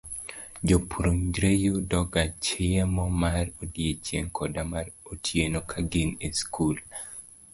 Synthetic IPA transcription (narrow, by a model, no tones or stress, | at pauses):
d͡ʒopʰɾuɲd͡ʒɾejudɔɡat͡ʃɪɛmɔmarodijet͡ʃjḛŋkʰɔdamaɾotʰjenokʰaɡineskʰul